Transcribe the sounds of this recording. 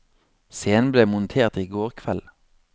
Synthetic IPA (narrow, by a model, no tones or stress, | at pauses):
seːən̩bleːmʊnt̪ʰeːʁt̪iːɡoːʁkʰʋɛl